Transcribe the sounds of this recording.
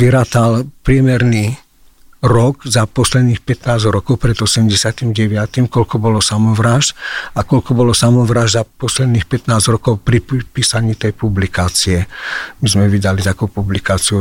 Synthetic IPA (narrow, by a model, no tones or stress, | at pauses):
ʋiɾaːt̪alpɾɪɛmɛɾni | ɾɔɡzapɔslɛd̪niːxpɛt̪naːzɾɔkɔʊpɾɛd̪ɔsɛmɟɛsɪat̪imɟɛʋɪat̪imkɔlkɔbɔlɔsamɔʋɾaːʃakɔlkɔbɔlɔsamɔʋɾaːʒzapɔslɛd̪niːxpɛt̪naːzɾɔkɔʊpɾipiːsaɲiːt̪ɛjpublikaːt͡siɛmizmɛʋid̪alit̪akuːpublikaːt͡siu